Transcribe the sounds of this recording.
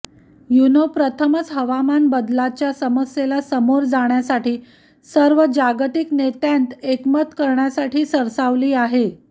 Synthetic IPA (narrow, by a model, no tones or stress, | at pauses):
junopɾət̪ʰəmət͡sɦəʋamanbəd̪lat͡ɕjasəməsjelasəmoɾd͡zaɳjasaʈiː | səɾʋəd͡ʑaɡt̪iknet̪jant̪ekmət̪kəɾɳjasaʈʰiːsəɾsaʋliːaɦe